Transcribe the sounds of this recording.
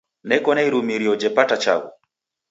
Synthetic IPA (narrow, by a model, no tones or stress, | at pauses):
nɛkɔnaiɾumiɾiɔd͡ʒɛpatat͡ʃa̰wṵ